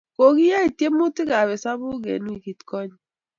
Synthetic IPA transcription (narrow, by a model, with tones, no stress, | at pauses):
ko˨ki˦ja˦i˨tje˦mu˦tɪ˦ka˨βɛ˨sa˦bʊ˦ɡḛ˨nu˦i˨ki˨tkɔ˦ɲ˦